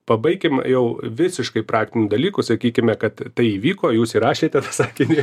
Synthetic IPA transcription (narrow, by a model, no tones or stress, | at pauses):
pɐbɐɪkʲɪmjɛʊʋʲɪsʲɪʃkɐɪpɾɑːk̚t̪ʲɪnʲʊd̪ɐlʲiːkʊsɐkʲiːkʲɪmʲɛkɐt̪t̪ɐɪiːʋʲiːkoːjuːsiɾɑːʃʲeːt̪ʲɛt̪ɐsɑːkʲɪnʲɪ